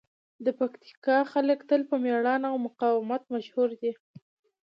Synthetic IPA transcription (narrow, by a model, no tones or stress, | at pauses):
d̪əpakt̪i̥kɑxaləkt̪əlpəmeɽɑnawmʊqɑwɪmat̪maʃhuɾd̪i